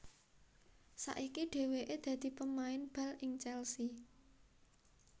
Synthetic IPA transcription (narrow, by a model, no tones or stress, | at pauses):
sa̰ʔikiɖ̥e̤weʔed̪̥ä̤d̪̥i̤pəmaɪnb̥a̤lɪŋt͡ʃɛlsi